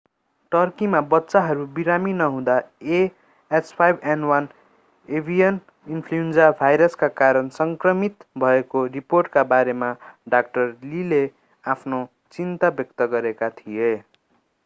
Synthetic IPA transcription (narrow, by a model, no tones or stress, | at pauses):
ʈʌrkimabʌtːsaɦʌɾubiɾaminʌɦũd̪ae | espʰajbʱenwʌn | ebʱijʌn | inpʰluend͡zabʱajɾʌskakaɾʌnsʌŋkrʌmit̪bʱʌekoriporʈkabaɾemaɖak̚ʈʌrlile | apʰno | t͡sint̪abjʌk̚t̪ʌɡʌɾekat̪ʰije